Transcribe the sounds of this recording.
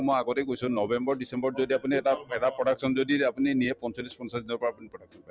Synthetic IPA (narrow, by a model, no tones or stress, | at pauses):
mɔ̃aɡɔtejkoisʰũnɔbembɔɾɖisembɔɾd͡ʒod̪iapunieʈapʰeɽapɾɔɽaksɔnd͡ʒod̪iapuniniepɔnt͡ʃɔlːispɔnsasd̪iɔpɔapunipɾɔɽaksʰɔnpa